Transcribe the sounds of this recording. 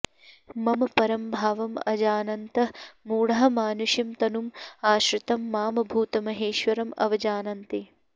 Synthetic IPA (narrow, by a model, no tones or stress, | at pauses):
mɐmɐpɐɾɐmbʱaːʋɐmɐ̰d͡ʒaːnɐnt̪ɐmuːɽɐɦɐ̆maːnuʃjɐmt̪ɐnumaːʃɾɪt̪ɐmːaːmɐbʱuːt̪ɐmɐɦeːʃʋɐɾɐmɐ̰ʋɐd͡ʒaːnɐnt̪i